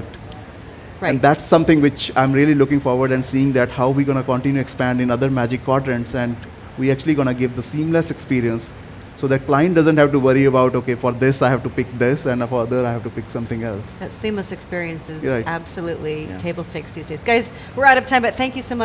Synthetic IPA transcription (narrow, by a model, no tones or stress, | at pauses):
ɹɛ̃nd̪æʈsːʌ̃mt̪ɪ̃ŋʋɪt͡ʃãɪ̃mɾiəlilʊkɪ̃ŋfɔːɾʋəɾɖɛ̃nɖsiːɪ̃ŋd̪æʈhaʊʋiɡɔñəkə̃ɳʈɪ̃njuɛkspæ̃ɳɖɪ̃nʌd̪əɾmæd͡ʒɪkːɔʈɾɛ̃ɳʈsɛ̃ɳɖ | ʋiæk̚t͡ʃʉəliɡɔñəɡɪʋd̪əsĩːmləsɛkspiːɾiə̃nsː | oːd̪æʈ̚klãɪə̃ɳʈ̚ɖʌzə̃ɳʈhæʋʈuʋʌɾiəbaʊʈoːkeːfɔɾd̪ɪsaɪhæʋʈupɪk̚d̪ɪsɛ̃ɳfɔɾʌd̪əɾaɪhæʋʈupɪksʌ̃mt̪ɪ̃ŋɛlsðɨtsĩmləsɨkspɪɹiɨ̃nsɪzɾaɪæbsəluʔlitʰeɪbl̩ˠsteɪkstʰʉzdeɪzɡaɪz | wɪɹaʊɾʌv̥tʰãɪ̃mbʌt̪̚θæ̃ŋkjɨsoʊmʌ